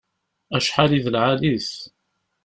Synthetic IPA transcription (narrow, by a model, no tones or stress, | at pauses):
æʃħaliðəlʕaliθ